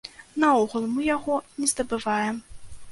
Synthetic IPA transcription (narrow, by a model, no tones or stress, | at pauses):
nɐɔɣulˠmɨjaɣɔnʲɛzd̪ɐbɨvajɛm